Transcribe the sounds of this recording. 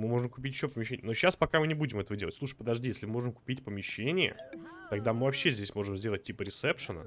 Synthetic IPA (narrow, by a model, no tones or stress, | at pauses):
mɨmo̞ʐəmkʊ̥pʲit̬ʲjɪɕːopəmʲɪɕ̬ːenʲjənoɕːaspɐkamɨnʲɪbudʲɪmɛt̪əvədʲelˠətʲsˠuʂ̬ɨ̥jpəd̪ɐʐdʲijesʲlʲɪmɨmo̞ʐəmkʊ̥pʲitʲpəmʲɪɕːenʲɪjə̰t̪ɐɡd̪amɨvɐpɕːezʲdʲesʲmo̞ʐɨmzʲdʲelˠət̚ʲːipəɾʲɪtsɛpʂənə̰